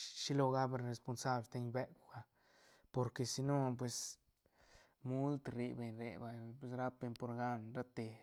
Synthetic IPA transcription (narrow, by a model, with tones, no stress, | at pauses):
ʃi˦lo˧ɣa˦be˧ɾe˧spo˧nsa˦blt̪e˧ɲbe˦kʷa˧ | po˧ɾke˨si˧no˦p̬we˧s | mu˦lt̪ɾi˧be˨ɲɾḛ˨ba˨jpwe˧s̬ɾa˦pe˧npo˧ɾɡa˦nɾa˦t̪e˧